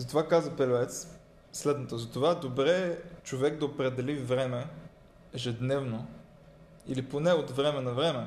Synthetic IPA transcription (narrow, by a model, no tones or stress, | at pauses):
zɐt̪ovakazəpɛlvɛt̪s | slɛd̪nət̪ozɐt̪ovad̪obɾɛt͡ʃovɛɡd̪ɐopɾɛd̪ɛlivɾɛmɛ | ɛʒɛd̪nɛvno | iliponɛot̪vɾɛmɛnɐvɾɛmɛ